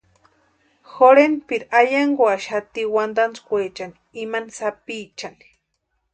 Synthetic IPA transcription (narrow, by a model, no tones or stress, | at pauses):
xoɾenpiɾajaŋɡwaʃhat̪iwand̪ant͡skʷet͡ʃani̥ːmanisapiːt͡ʃani̥